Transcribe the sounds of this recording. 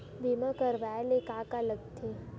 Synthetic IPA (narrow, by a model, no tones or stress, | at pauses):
bimãkəɾʋaːelekaːkaləɡt̪ʰi